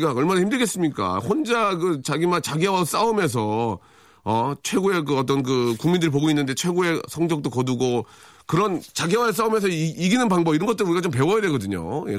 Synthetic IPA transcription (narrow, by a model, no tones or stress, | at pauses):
ɡaʌɭmanahʰçimdɯɭɡes͈ɯmɲik͈a̰ɸond͡ʑaɡɯt͡ɕaɡimat͡ɕaɡewas͈aɯmjʌns̬ʰʌ | ʌt͡ɕʰwe̞ɡoe̞k̬ɯʌt͈ʌnk̬ɯkuŋmindɯɾip̬oɡoinːɯnde̞t͡ɕʰwe̞ɡoe̞sʰʌŋɡjʌk̚t͈okʌduɡo | kɯɾʌnt͡ɕaɡewas͈aɯmjʌnsʰʌiɡinɯnpaŋbʌɡiɾʌnŋɡʌt͈ɯɾɯnuɾiɡat͡ɕompe̞wʌjadwe̞ɡʌdɯɲo̰je